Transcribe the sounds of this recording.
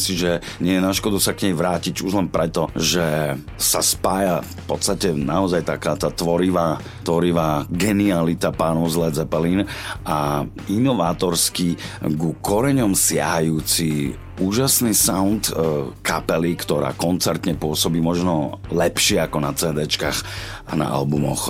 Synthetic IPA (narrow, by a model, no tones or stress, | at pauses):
msiʒɛɲɪɛjɛnaʃkɔd̪usakɲɛjʋɾaːciɟuʒlɛnpɾɛt̪ɔʒɛ | saspaːjaffpɔt̪st̪acɛnaɔzajt̪akaːt̪aːt̪ʋɔɾiʋaː | t̪ʋɔɾiʋaːɡɛnialit̪apaːnɔʊzlɛd͡zɛpɛliːnʔa | inɔʋaːt̪ɔɾskiɡukɔɾɛɲɔmsɪa̰ɦajuːt͡si | uːʒasniːsaʊnt̪kapɛlikt̪ɔɾa̰ːkɔnt͡sɛɾt̪ɲɛpʊɔsɔbiːmɔʒnɔlɛpʃɪɛakɔnat͡sɛːd̪ɛːt͡ʃkaːx | ʔana̰ʔa̰lbumɔ̰x